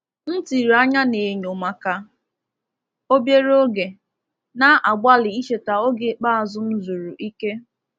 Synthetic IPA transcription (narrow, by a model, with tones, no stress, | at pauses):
n̩˦ti˨ɾa˦ɲa˦ne˨ɲo˨ma˦ka˦ | o˦bje˦ɾo˦ɡe˨ | na˦ʔa˨ɡ͡bʷa˦lɪ˨i˦ʃe˨ta˨o˦ɡe˨˦k͡pa˦a˨zʊ˦n̩˦zu˨ɾu˨ʔi˦ke˦